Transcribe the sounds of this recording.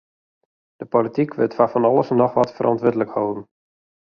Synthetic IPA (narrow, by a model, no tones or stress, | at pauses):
d̥əpolitikʰʋɪtfafɔnɑlˠəsnɔxʋɔtfərʔɔ̰ntʋɪdələkhowdən̩